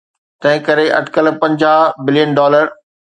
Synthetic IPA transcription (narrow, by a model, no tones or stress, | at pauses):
t̪ɐ̃ɦɪ̃kɐɾeʔɐ̰ʈʰkəlpɐ̃ɲd͡ʑaːɦbɪlijənɖɔːləɾ